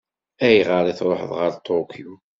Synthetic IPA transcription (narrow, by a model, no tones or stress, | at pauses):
æjʁəɾˤiθɾˤoħəðˤʁəɾt̪ʰːokʰu